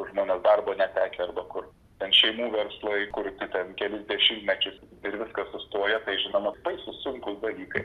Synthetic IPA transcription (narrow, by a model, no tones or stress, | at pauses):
ʒmoːnʲɛːsd̪ɐrboːnʲɛt̪ʲæːkʲeɐrbɐkʊr | t̪ʲɛnʃʲɛɪmuːʋʲɛɾslˠɐɪkʊrt̪ʲɪt̪ʲɛnkʲɛlʲɪzd̪ʲɛʃʲɪmʲt̪ʲmʲɛt͡ʃʲʊs | ɪɾʋʲɪskɐssʊst̪oːjɛt̪ɐɪʒʲɪnoːmɐbɐɪsʊsʊŋkʊsd̪ɐlʲiːkɐɪ